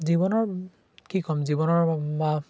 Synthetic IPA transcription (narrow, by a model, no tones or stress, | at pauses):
zibɔnɔɹ | kikɔmzibɔnɔɹma